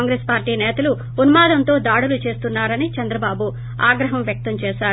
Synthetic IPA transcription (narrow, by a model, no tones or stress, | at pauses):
ŋɡɾeːspaːɾʈiːnɛːt̪ɐluː | nɐmaːd̪ɐnt̪o̞ːd̪aːɽulut͡ʃe̞ːst̪unːaːɾɐnit͡ʃɐnd̪ɾɐbaːbu | aːɡɾɐɦɐmʋjɐk̚t̪ɐmt͡ʃɛːʃaːɾ